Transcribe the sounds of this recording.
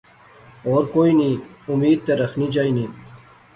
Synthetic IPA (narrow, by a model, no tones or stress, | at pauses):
oːɾkoːiniːumiːd̪̚t̪eɾɐxnid͡ʒaːiniː